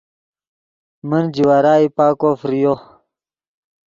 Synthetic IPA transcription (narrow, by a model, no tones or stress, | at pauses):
mənd͡ʑiwaɾaːipaːkofɾijo